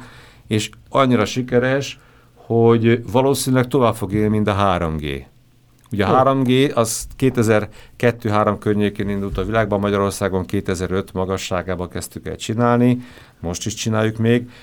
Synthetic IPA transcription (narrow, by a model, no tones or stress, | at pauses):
eːʃɒɲːiɾɒʃikɛɾɛʃ | ho̞ɟvɒloːsiːnylɛk̚t̪o̞vaːbfo̞ɡeːlnimint̪ɒɦaːɾomɡḛː | uɟɒɦaːɾo̞mɡeːʔɒzkeːt̪ɛzɛrkɛt̪ːøːɦaːɾo̞mkørɲeːkeːnind̪ult̪ɒvilaːɡ̚bɒmːɒɟɒɾo̞rsaːɡo̞ŋkeːt̪ɛzɛɾø̞t̪mɒɡɒʃːaːɡaːbɒkɛst̪ykɛ̰lt͡ʃinaːlni | mo̞ʃt̪iʃt͡ʃinaːjːukmeːɡ